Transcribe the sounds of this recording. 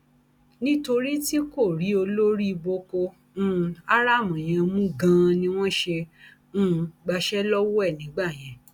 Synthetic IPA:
nĩ˦to˧ɾi˦ti˦ko˦˨ɾi˨˦o˧lo˦ɾi˦i˧bo˧kõ˧˦˨ | a˦ɾa˦˨mã˨j̃ɛ̃˧mũ˦ɡã˦˧nĩ˧w̃ɔ̃˦ʃẽ˧˦ | ɡ͡ba˧ʃɛ˦lɔ˦wɔ˦ɛ˦˨nĩ˨˦ɡ͡ba˦˨j̃ɛ̃˨

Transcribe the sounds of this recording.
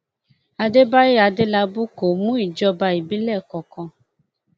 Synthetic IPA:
a˧de˦ba˦je˦a˧de˦la˧bu˦ko˨mũ˦i˨d͡ʒɔ˧ba˧i˨bi˦lɛ˦˨kɔ˧kɔ̃˧

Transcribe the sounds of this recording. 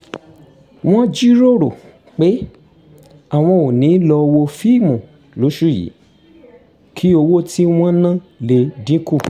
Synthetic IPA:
w̃ɔ̃˦d͡ʒi˦ɾo˦ɾo̰˨ | k͡pe˨˦ | a˦˨w̃ɔ̃˧o˨nĩ˨˦lɔ˧wo˧fi˦˨mũ˨ | lo˨˦ʃu˦˨jḭ˨˦ | kʰi˨˦o˧wo˦ti˦w̃ɔ̃˦nã˦˨le˨dĩ˨˦ku˦˨

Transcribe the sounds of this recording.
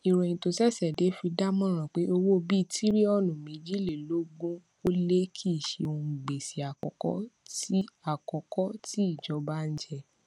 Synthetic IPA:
i˨ɾõ˨jĩ˧to˧sɛ˦˨sɛ˨de˨˦fi˧da˦mɔ̃˦ɾ̃ã˨k͡pe˨˦o˧wo˦bi˦˧tʰi˦ɾi˦ɔ˧˨nũ˨mĩ˨˦d͡ʒi˦le˨lo˦ɡũ˦ | o˦le˦kʰi˦˨ʃe˧o˧˨ɡ͡be˨si˨a˨kɔ˨kɔ̰˦ti˦a˨kɔ˨kɔ˦ti˦i˦˨d͡ʒɔ˧˦ba˦n̩˦d͡ʒɛ˧˨

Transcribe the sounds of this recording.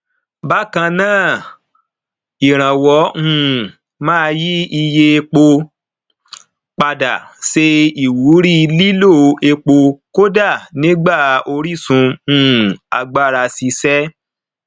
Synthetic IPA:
ba˦kã˧nãː˦˨ | i˨ɾ̃ã˨wɔ̃˨˦˨ | mãː˦˧ji˦i˧je˧e˧k͡po˧ | k͡pa˧da̰˨ʃe˧i˨wu˨˦ɾi˦˧li˦lo˦˨e˧k͡po˧ko˦da˦˨nĩ˨˦ɡ͡ba˦˨o˧ɾi˦˨sũ˧˦˨ | a˧ɡ͡ba˦ɾa˧si˧sɛ˦

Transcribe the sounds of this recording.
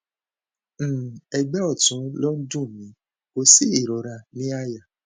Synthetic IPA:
ɛ˧ɡ͡bɛ˦ɔ˦˨tũ˨˦lɔ˦n̩˦dũ˦˨mĩ˨˦ | ko˧si˦˨i˦˨ɾɔ˨ɾa˧˨nĩ˦a˦ja˨

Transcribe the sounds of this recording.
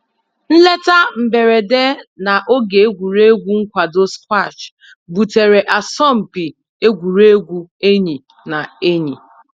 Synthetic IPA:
n̩˦le˦ta˦m̩˨be˨ɾe˨de˦na˨ʔo˦ɡe˨e˦ɡʷu˨ɾe˦ɡʷu˦ŋ̩˦kʷa˨do˦skʷa˦˨t͡ʃ | bu˨te˨ɾe˨ʔa˨sɔ˦˨m̩˨pi˨ | e˦ɡʷu˨ɾe˦ɡʷu˦e˦ɲi˨ | na˨e˦ɲḭ˨

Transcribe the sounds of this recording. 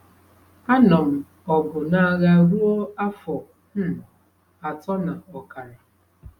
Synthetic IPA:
a˦nɔ˨m̩˨ | ɔ˨bʊ˨na˦˨ɣa˦˨ɡu˦ɔ˦a˦fɔ˨ | n̩˦˨ | a˨tɔ˦na˨ɔ˨ka˨ɾa˨

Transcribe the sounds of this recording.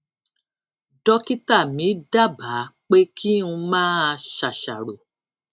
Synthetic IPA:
dɔ˧ki˦ta˦˨mĩ˨˦da˦˨ba˨˦k͡pe˦kʰi˦ũ˧mãː˦a˧ʃa˨ʃa˨ɾo˨

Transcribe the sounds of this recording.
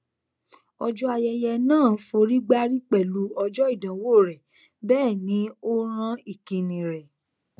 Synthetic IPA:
ɔ˧d͡ʒɔ˦a˧jɛ˧jɛ˧nãː˦˨˦fo˧ɾi˦ɡ͡ba˦ɾi˦k͡pɛ˦˨lu˨˦ɔ˧d͡ʒɔ˦i˦˨dã˨˦woː˦˨ɾɛ˨ | bɛː˦˨nĩ˨˦o˦ɾ̃ã˦i˦˨ki˨˧nĩ˨ɾɛ˨

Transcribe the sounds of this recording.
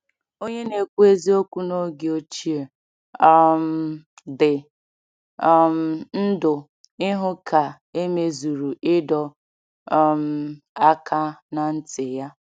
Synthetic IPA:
o˦ɲe˦ne˨kʷu˦e˦zi˦o˦kʷu˦no˦ɡe˨o˦t͡ʃi˦e˨ | ɔ˨m̩˨ | dɪ˨ | m̩˨n̩˦dʊ˨ | ɪ˦ɦʊ˦kʰa˨ | e˦me˦zu˨ɾu˨ʔɪ˦dɔ˨ | m̩˨˦ | a˦kʰa˦na˨n̩˦tɪ˨ja˦

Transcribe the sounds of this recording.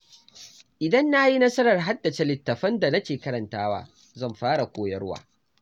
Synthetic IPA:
ʔɪ˨dɐ˦nːa˦ji˦nɐ˦sɐ˦ɾɐ˨rɦa˦dːɐ˨t͡ʃe˦lɪ˨tːɐ˨ɸɐ˦nda˨nɐ˦kʲeː˨kɐ˦ɾɐ˨ntaː˦wa̰ː˦ | zɐ˦˨mɸaː˦ɽa˨kʷoː˦jɐ̰˦ɽwa̰ː˦

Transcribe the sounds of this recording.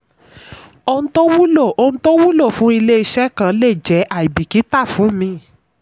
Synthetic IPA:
o˧nũ˦to˦wu˦lo˦˨o˧nũ˦to˦wu˦lo˦˨fũ˨˦i˧le˦i˧ʃɛ˦kã˦le˦˨d͡ʒɛ˨˦ʔa˦˨i˨bi˨ki˨˦ta˦˨fũ˨˦˨mĩ˧˦

